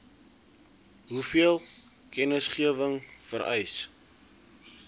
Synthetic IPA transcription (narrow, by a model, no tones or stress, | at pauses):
ɦufiəlˠ | kɛnəsχiəvəŋfəɾʔɛjs